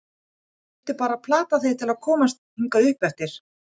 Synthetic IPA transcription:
t̪ʏpaːɾapʰlaːt̪aθejt̪ʰɪlaðkʰɔːmast̪ | iŋkaʏhpɛft̪ɪɾ̥

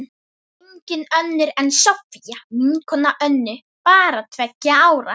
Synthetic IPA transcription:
eɲcɪnœnːɪɾɛnsɔfijamiŋkʰɔnaʔœnːʏ | paːɾat̪ʰvɛcːaaːwɾa̰

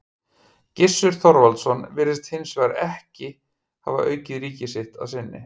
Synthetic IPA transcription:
cɪsːʏɾ̥θɔɾvalt̪sɔnvɪːɾɪst̪hɪnsvɛːɣaɾɛhcɪ | ha̰va̰ʔœːɥcɪðɾiːcɪsɪht̪a̰ðsɪnːɪ̰

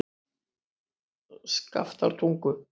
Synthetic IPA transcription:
ska̰ft̪a̰ɾt̪ʰuŋkʏ

